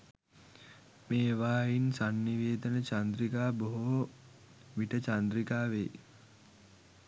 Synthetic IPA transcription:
meːʋaːjinsanːiʋeːd̪ənət͡ʃand̪ɾikaːboɦo | ʋiʈət͡ʃand̪ɾikaːʋej

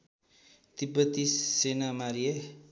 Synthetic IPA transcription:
t̪ipət̪isːenamaɾie

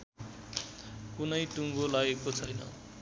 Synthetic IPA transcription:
kunʌjʈuŋɡolaɡekot͡sʰʌjnʌ̰

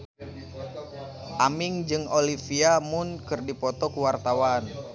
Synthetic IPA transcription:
ʔamiŋd͡ʒɨŋolifiamʊnkɨrdipɔt̪ɔkuwart̪awan

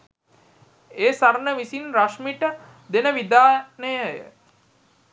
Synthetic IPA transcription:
eːsaɾnəʋisinɾaʂmiʈə | d̪enəʋid̪aːnəjəjə̰

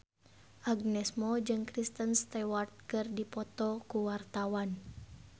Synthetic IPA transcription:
ʔaɡnɛsmɔd͡ʒɨŋkɾist̪ənst̪ɛwart̪̚kɨrdipɔt̪ɔkuwart̪awan

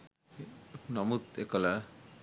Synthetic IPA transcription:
nɔmut̪ekɔla

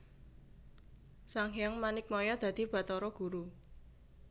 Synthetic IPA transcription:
saŋɦjaŋmanɪk̚mɔjɔd̪̥ä̤d̪̥i̤b̥a̤t̪ɔɾɔɡ̥ṳɾu

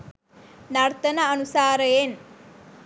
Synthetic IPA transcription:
naɾt̪ənaənusaːɾəjen

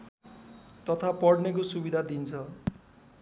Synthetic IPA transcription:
t̪ʌt̪ʰapʌɽnek̬osubid̪ʱad̪int͡sʰʌ

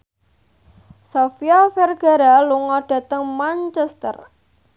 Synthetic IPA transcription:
sofiɔfɛrɡ̥a̤ɾaluŋɔɖ̥ä̤t̪əŋmant͡ʃɛst̪ə̰r

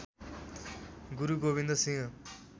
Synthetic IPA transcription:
ɡuɾuɡoβĩnd̪ʌsĩŋɡʌ

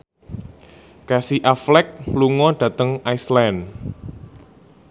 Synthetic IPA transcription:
kasiʔaflɛk̚luŋɔɖ̥ä̤t̪əŋaislɛn

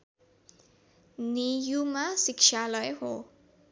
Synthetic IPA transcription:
nijumasikt͡ʃʰalʌjɦo

